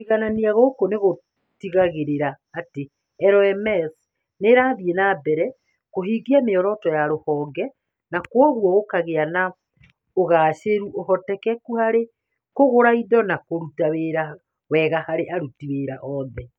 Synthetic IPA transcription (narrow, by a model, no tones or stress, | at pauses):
iɣananiaɣokoneɣo | tiɣaɣeɾeɾaːte | ɛɾɔɛmɛs | neɾaːðienabɛɾɛ | koɦiɡiameɔɾɔtɔjaɾohɔːɡɛ | nakwɔɣwɔɣokaɣeana | oɣaːɕeɾuʔoɦɔtɛkɛkuhaɾe | koɣoɾaiðɔnakoɾutaweɾa | wɛɣahaɾeʔaɾutiweːɾaʔɔːðɛ